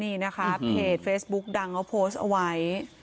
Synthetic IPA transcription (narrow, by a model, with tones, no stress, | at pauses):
niː˧˩na˦˥kʰa˦˥pʰeː˨˩t̪̚feː˦˥sbu˦˥k̚da˧ŋkʰa˦˥wpʰoː˦˥st̪ʔa̰˧wa˦˥j